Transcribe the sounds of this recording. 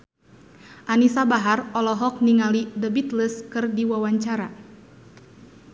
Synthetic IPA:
ʔanisabaɦarɔlɔɦɔk̚niŋalidəbit̪ləskɨrdiwawaɲt͡ʃaɾa

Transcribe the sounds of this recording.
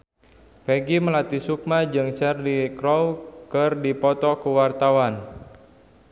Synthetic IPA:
peɡiməlat̪isuk̚mad͡ʒɨŋt͡ʃɛrdikɾɔwkɨrdipɔt̪ɔkəwart̪awan

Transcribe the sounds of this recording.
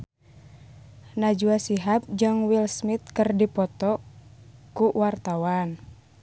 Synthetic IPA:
nad͡ʒuasiɦap̚d͡ʒɨŋwilsmit̪̚kɨrdipɔt̪ɔ | kuwart̪awan

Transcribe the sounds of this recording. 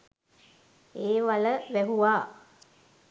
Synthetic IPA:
eːʋaləʋæɦuʋaː

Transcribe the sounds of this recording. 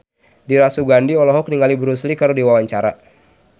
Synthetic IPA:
diɾasuɡandiɔlɔɦɔk̚niŋɡalibəɾuslikəɾudiwawaɲt͡ʃaɾa̰

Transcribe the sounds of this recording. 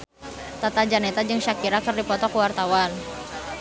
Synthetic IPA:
t̪at̪ad͡ʒanɛt̪ad͡ʒɨŋʃakiɾakɨrdipɔt̪ɔkəwart̪awan

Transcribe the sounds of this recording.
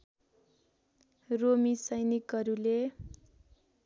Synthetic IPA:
romisʌjnikʌɾule

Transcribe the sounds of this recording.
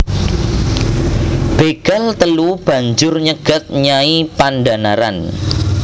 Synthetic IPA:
b̥eɡ̥alt̪əlub̥ä̤ɲd͡ʒʊrɲəɡ̥ə̤t̪̚ɲaipanda̤naɾa̰n

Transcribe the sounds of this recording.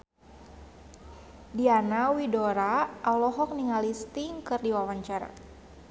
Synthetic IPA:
dianawidoɾaʔːlɔɦɔk̚niŋalist̪iŋkɨrdiwawaɲt͡ʃaɾa̰

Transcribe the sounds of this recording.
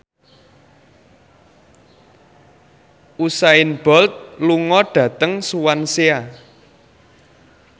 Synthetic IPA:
ʔusaɪnb̥ɔlt̪̚luŋɔɖ̥ä̤t̪əŋsuwansea

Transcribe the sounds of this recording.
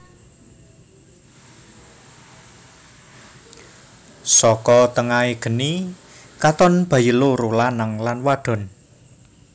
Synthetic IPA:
sɔkɔt̪əŋaeɡ̥ə̤ni | kat̪ɔnb̥ä̤jəloɾolanəŋlanwaɖ̥ɔ̤n

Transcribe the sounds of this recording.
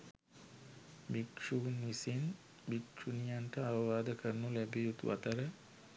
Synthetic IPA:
bikʂunʋisin | bikʂunijanʈəaʋəʋaːd̪əkʰəɾnulæbiut̪uʋa̰t̪əɾə

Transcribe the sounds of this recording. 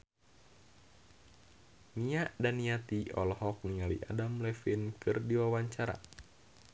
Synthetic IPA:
niaʔdaniat̪iɔ̰lɔhɔk̚nialḭʔa̰damlɛfinkʰɨrdiwawaɲt͡ʃaɾa̰

